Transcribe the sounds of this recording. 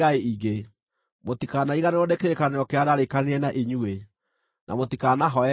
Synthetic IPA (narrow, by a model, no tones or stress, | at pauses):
ɣaeiɡe | motikanaiɣaneɾodekeɾekaneɾɔkeadaɾekaneɾɛnaʔeɲue | nʔa̰motikanaɦɔɛ